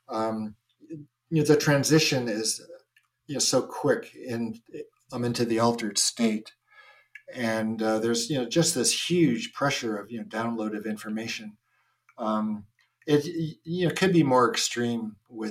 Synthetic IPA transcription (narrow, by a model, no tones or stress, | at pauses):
ʌm | jnoʊðɨtʰɹ̥æ̃nzɪʃɨ̃nɪz̥ | jɨnoʊsoʊkʰw̥ɪkɪ̃n | ãɪ̃mɪ̃ntʉðiɔlˠtə˞d̥steɪɾ | ɨ̃nðə˞zjɨnoʊd͡ʒʌst̪̚ðɪshjʉ̥ʒ̥pʰɹ̥ɛʃə˞ʌvjɨnoʊdãʊ̃nloʊɾʌvɪ̃ɱfə˞meɪʃɨ̃n | ʌ̃m | ɪtɨnoʊkʰɨd̚bimɔɹɨkstɹ̥ĩmwɪ